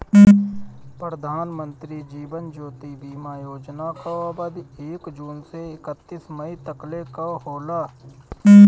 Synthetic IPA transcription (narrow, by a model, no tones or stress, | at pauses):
pɾəd̪ʱaːnmə̃nt̪ɾid͡ʒiːʋənd͡ʒoːt̪ibiːmajoːd͡ʒnakaaːbəd̪eːkd͡ʒuːnseɪkət̪ːiːsməit̪əklekaɦoːlaː